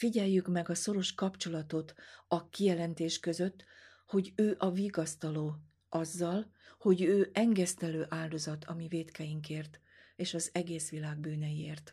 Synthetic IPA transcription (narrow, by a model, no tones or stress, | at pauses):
fiɟɛjːykmɛɡɒso̞ɾo̞ʃkɒpt͡ʃo̞lɒt̪o̞t̪ɒkijɛlɛnt̪eːʃkøzøt̪ː | ho̞ɟøːʔɒviɡɒst̪ɒloː | ʔɒzːɒl | ho̞ɟøːʔɛŋɡɛst̪ɛløːʔaːld̪o̞zɒt̪ʰɒmiveːt̪kɛjiŋkeːrt̪ | eːʃɒzɛɡeːsʋilaːɡ̚byːnɛjieːrt̪